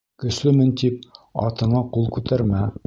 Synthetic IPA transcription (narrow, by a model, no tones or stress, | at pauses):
kɵ̆ʃlɘmɘnt̪ip̚ɑ̰t̪ɤ̆ɴɑqulˠkʉt̪æɾmæ